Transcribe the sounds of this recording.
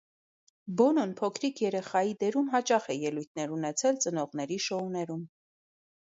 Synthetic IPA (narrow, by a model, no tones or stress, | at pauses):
bɔnɔnpʰɔkʰɾikʰjɛɾɛχɑjid̪ɛɾumɦɑt͡ʃɑχɛjɛlujt̪̚ʰnɛɾunɛt͡sʰɛlt͡sənɔʁnɛɾiʃɔunɛɾum